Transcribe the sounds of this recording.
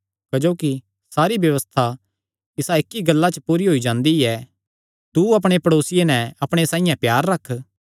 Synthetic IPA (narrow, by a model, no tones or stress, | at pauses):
kɐd͡ʒoːki | saːɾibjɐʋəst̪ʰa | ɪsaɪkːiɡɐlːat͡ʃəpuːɾiɦoid͡ʒãːnd̪iɛ | t̪uɐp̬ɽ̃epɐɽoːsɪjenɛɐpɽ̃esãːɪ̃jãpjaːɾːɐkʰː